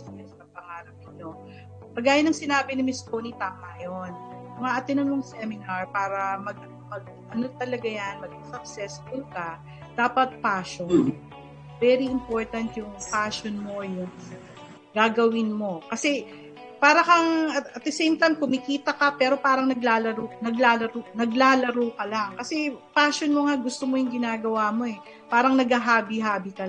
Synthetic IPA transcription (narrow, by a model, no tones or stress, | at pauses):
smɛsk̪ɐpɐŋaːɾɐp̚ɪno̞ | pɐɡaːjɐnɐŋsɪnaːbɪnɪmɪsk̪onit̪aːmɐʔɐjonʊŋaʔɐt̪ɪnonmoŋsɛmɪnɐɹpaːɾɐmɐɡ̚ | mɐɡ̚ʔɐnot̪ɐlɐɡajanmɐɡiŋsɐk̚sɛsfʊlkɐ | d̪̥aːpɐt̪̚paːʃon | vɛɾiɪmpo̞ɹt̪ɐnt̪jʊŋpaːʃonmo̞jʊn | ɡaːɡɐwɪnmo̞kɐsɛ | paːɾɐkɐŋɐt̪ɐt̪̚d̪ɛsejmt̪ajmkʊmɪkiːt̪ɐkɐpɛːɾo̞paːɾɐŋnɐɡlaːlɐɾonɐɡlaːlɐɾonɐɡlaːlɐɾoːkɐlaŋkɐsɛpaːʃonmoŋaɡʊst̪omojʊŋɡɪnaːɡɐwaːmo̞ʔɛ | paːɾɐŋnɐɡaɦaːbiɦaːbikɐ